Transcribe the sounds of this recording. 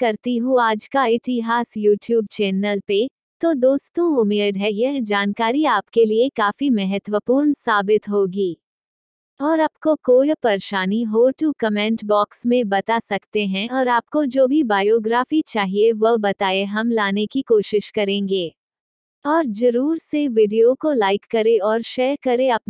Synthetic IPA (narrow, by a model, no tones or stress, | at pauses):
kɐɾt̪iɦuaːd͡ʒkaɪɪt̪iɦaːsjuːʈjuːb̚t͡ʃɛːnəlpe | t̪od̪oːst̪õʊmeːɖɦɛjɛɦd͡ʒaːnkaːɾiaːpkeliekaːfimɛɦət̪wəpuːɾnsaːbɪt̪ɦoːɡiː | ɔːɾɐpkokoːjpɐɾʃaːniɦoːʈukɐmɛ̃ːɳʈbɔːksmẽbɐt̪asɐkt̪eɦɛ̃ɔːɾaːp̚kod͡ʒoːbʱibaːjoːɡɾaːfit͡ʃaːɦieʋɐɦbɐt̪aːeɦɐmlaːnekikoːʃɪʃkɐɾẽːŋɡeː | ɔːɾd͡ʒɐɾuːɾseʋɪɖijokolaːɪkːɐɾeɔːɾʃeːɾkɐɾeɐp̚